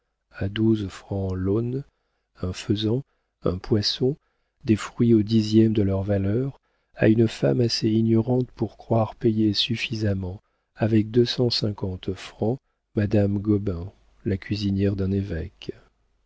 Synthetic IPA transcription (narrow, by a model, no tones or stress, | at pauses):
ad̪uzfχɑ̃lɔn | ɛ̃fəzɑ̃ | ɛ̰̃pwasɔ̃ | d̪efχɥiod̪izjɛmd̪əlœʁvalœʁ | a̰ynfamaseiɲɔʁɑ̃t̪puʁkχwaʁpejesyfizamɑ̃ | avɛk̚d̪øsɑ̃sɛ̃kɑ̃t̪fχɑ̃ | mad̪amɡɔbɛ̃ | lakʲɥizinjɛʁd̪ɛ̃nevɛk